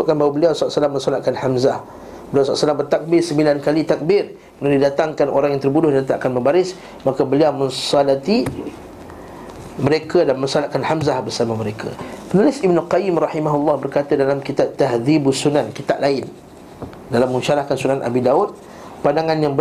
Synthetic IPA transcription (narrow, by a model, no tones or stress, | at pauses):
ʊʔ̚kanbawabəliawsɔaʔsəlamːə̃nsalatʔ̪̚kanhamzah | bəliawsɔla̰ʔsəlambərt̪ak̚bɪrsəmbilankalit̪ak̚bɪr | mənadidat̪aŋkano̰ɾaŋjaŋt̪ərbudʊhdant̪iakanmə̃mbaɾɪs | makəbəliawmə̃nsalat̪i | məɾekʰədanmə̃nsalaʔ̪̚kanhamzahbərsamaməɾekʰa̰mənulɪsibnəlqajɪmrɑħimaɦulːɑhbərkat̪adalamkit̪ab̚t̪aɦðibsunankit̪a̰ʔlaɪn | dalamə̃ŋʃaɾahkansunanʔa̰bidaut̪̚ | pandaŋanjaŋbə